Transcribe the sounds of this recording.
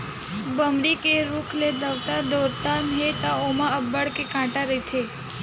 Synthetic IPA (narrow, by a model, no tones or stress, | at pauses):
bəmɾikeɾukʰled̪əʋt̪aɾd̪oɾt̪anɦet̪aomãəbəɽkekãːʈaɾet̪ʰe